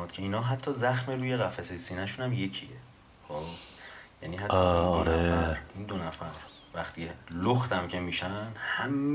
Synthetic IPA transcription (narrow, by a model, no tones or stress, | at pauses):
uːd̪̥kʰe̞iːnɒːɦæt̪ʰːɒːzæxmeɾuːjeɣæfæsejsiːnæʃunæmje̞cʰie | xobjæniːhæt̪ːɒnɾeæɾind̪onæfæɾ | væxt̪ʰiːeloxt̪ʰæmcʰe̞miːʃænhæmː